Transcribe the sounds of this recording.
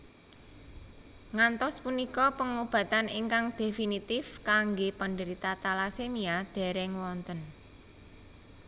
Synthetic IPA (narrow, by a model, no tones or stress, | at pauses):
ŋant̪ɔspunikɔpəŋob̥ä̤t̪aniŋkaŋd̪̥e̤finit̪ɪfkaŋɡepənɖəɾit̪at̪alasemiad̪̥ɛ̤ɾɛŋwɔnt̪ən